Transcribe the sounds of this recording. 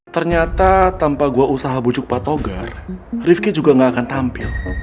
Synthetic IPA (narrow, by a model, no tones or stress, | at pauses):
t̪ərɲat̪at̪ampaɡuaʔusaɦabud͡ʒʊk̚pat̪oɡarrɪfkid͡ʒuɡaŋɡaːkant̪ampɪl